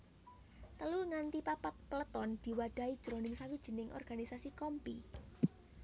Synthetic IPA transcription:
t̪əlulŋant̪ipapat̪̚pələt̪ɔnd̪̥i̤waɖ̥a̤id̥ʒ̥ɾonɪmsawid̥ʒ̥i̤nɪŋʔɔ̰rɡ̥a̤nisasikɔmpi

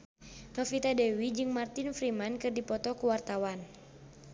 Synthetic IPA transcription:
nɔfit̪adɛwid͡ʒɨŋmart̪ɪnfɾimankɨrdipɔt̪ɔkuwart̪awan

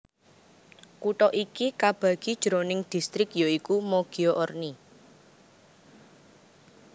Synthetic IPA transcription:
kuʈɔʔikikab̥a̤ɡ̥i̤d̥ʒ̥ɾonɪŋd̪̥i̤st̪ɾɪkjoikumoɡ̥ioʔɔrni

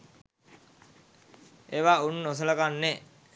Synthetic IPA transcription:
eʋaunːos̬ələkanːe

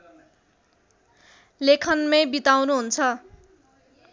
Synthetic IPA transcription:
lekʰʌnmebit̪awnuɦunt͡sʰʌ

